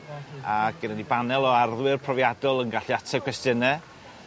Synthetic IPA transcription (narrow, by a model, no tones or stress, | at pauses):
aɡ̥ənanibanɛlˠɔarðwɨrpʰrɔvjadɔlˠənɡaɬjatʰɛkʰwɛstənɛ